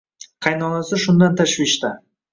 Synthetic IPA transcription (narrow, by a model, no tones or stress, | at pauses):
qʰɑjnɒnasɪʃʊnd̪ant̪ʰaʃvɪʃt̪a